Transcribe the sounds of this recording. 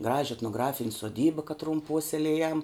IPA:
ˈɡrɑːʒʲɪ ɛtnoːˈɡrɑːfʲɪnʲ soːˈdʲiːbɐ kɐˈtrʊm ˈpuɔsʲɛlʲeːjɛm

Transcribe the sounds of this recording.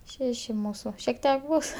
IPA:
ˈʃʲæːʃʲɪ ˈmuːsʊ ʃʲiɛk ˈtʲiɛk ˈbuːs

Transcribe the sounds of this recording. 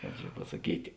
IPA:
ˈkɑːp t͡ʃʲɛ pɐsɐˈkʲiːtʲɪ

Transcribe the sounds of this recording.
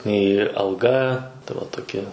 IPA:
nʲɛɪ ɐlˠˈɡɐ tɐ ʋɐ toːˈkʲɛ

